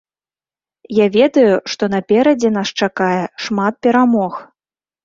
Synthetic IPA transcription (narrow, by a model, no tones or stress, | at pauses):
javʲɛd̪ɐjuʂt̪ɔnɐpʲɛɾɐd͡zʲɛnast͡ʂakajɛʂmat̪̚pʲɛɾamɔx